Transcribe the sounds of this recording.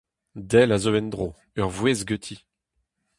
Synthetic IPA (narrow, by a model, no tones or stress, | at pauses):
d̪ɛlazoɛnd̪ʁo | œʁvwezɡøt̪ʰi